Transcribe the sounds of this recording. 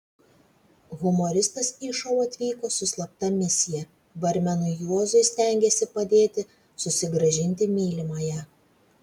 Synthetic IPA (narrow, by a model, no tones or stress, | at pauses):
ɣʊmɔɾʲɪst̪ɐsiːʃɐʊɐt̪ʲʋʲiːkoːsʊslˠɐp̚t̪ɐmʲɪsʲɪjɛ | bɐɾʲmʲɛnʊjoːzʊɪsʲt̪ʲæˑŋʲɡʲeːsʲɪpɐd̪ʲeːt̪ʲɪ | sʊsʲɪɡɾɐʒʲɪnʲt̪ʲɪmʲiːlʲɪmɐːjɛ